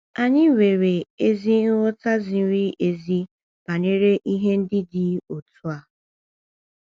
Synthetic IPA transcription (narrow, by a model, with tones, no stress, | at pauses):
a˨ɲɪ˦we˨ɾe˨e˦zi˦n̩˦wʊ˦ta˦zi˨˦ɾi˦ʔe˨zi˦ | b̥a˨ne˦ɾe˦ʔi˦ɦe˦n̩˦dɪ˦dɪ˦o˨tu˦a˨